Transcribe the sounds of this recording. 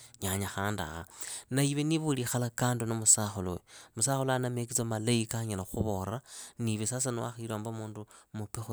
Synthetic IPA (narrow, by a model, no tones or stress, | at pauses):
ɲaɲaxaːnda̰xa̰naiβeniβulixalakaːndunomusaxolowemusaxoloanamek̬it͡samalaikaɲalaxuβoɾaniβesas̬anuwa̰xiiloːmbomuːndumupexu